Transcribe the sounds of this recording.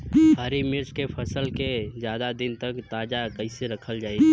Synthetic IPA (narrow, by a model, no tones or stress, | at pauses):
ɦəɾimɪɾt͡ʃkepʰəsəlkezjaːd̪ad̪ɪnt̪əkt̪aːd͡ʒakəɪseɾɐkʰəld͡ʒaːi